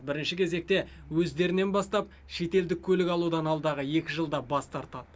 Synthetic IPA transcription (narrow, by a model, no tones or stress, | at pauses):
bɪɾɪnʃɪkʲʰe̞ze̞k̚t̪e̞ | wɵzd̪e̞ɾɪne̞nbɑst̪ɑp̚ | ʃe̞t̪e̞ld̪ɪkʲʰːɵlɪkɑlˠud̪ɑnɑlˠd̪ɑʁəje̞kʲɪʒəlˠd̪ɑbɑst̪ɑɾt̪ɑd̪ə